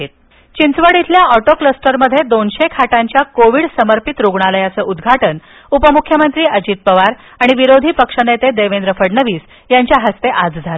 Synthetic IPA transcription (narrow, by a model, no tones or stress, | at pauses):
et̪̚ | t͡ɕint͡sʋəɽit̪ʰljaɔʈokləsʈəɾməd̪ʱːjed̪onɕekʰaʈaɲt͡ɕjakoʋiɽsəməɾpit̪ɾoɡɳ̃aləjat͡səʔud̪ɡʱaʈən | upəmukʰjəmənt̪ɾiːʔəd͡ʑiːt̪̚pəʋaɾ | aɽ̃iʋiɾod̪ʱiːpəkʂənet̪ed̪eʋend̪ɾəfəɽnəʋiːs | jaɲt͡ɕjaɦəst̪eʔad͡zd͡zʱaɾ